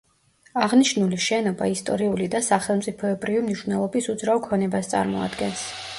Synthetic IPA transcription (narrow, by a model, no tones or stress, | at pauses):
aʁniʃnuliʃɛnɔbaist̪ʼɔ̰ɾiulid̪asaχɛlˠmt̪sʼipʰɔɛbɾivimniʃvnɛlˠɔbisud̪zɾaɔkʰɔnɛbast̪sʼa̰ɾmɔa̰d̪ɡɛns